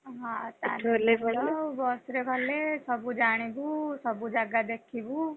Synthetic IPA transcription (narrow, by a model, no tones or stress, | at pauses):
ɦãt̪a̰olebʱəebɔsɾebʱəlesʌbud͡ʒaɽ̃ibusʌbud͡ʒaɡad̪ekʰibu